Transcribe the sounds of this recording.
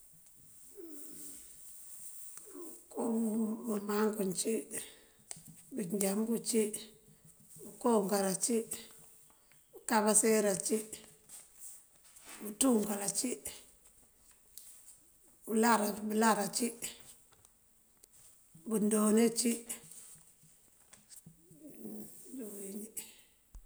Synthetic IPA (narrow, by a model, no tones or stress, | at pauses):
kobumaŋkunt͡ʃi | buɲd͡ʒambut͡ʃi | bukoŋɡaɾat͡ʃi | bukaβaseɾat͡ʃi | butuŋkalat͡ʃi | bulaɾabulaɾat͡ʃi | bundonet͡ʃi | duwiɲi